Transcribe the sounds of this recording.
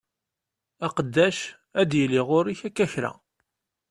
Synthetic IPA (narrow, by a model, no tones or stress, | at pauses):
æqəd̪ːæʃ | æd̪jəliʁʊɾiçækːæçɾæ̰